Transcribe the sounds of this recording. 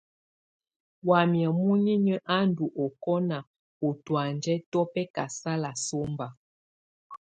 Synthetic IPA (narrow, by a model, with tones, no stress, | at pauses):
wa˨mjɛ˨mu˦ɲi˦ɲə˦ʔa˦n˦du˨ʔɔ˨kɔ˦na˨ | o˨twa˨nd͡ʒɛ˦tɔ˦pɛ˦ka˨sa˦la˨so˦mba˨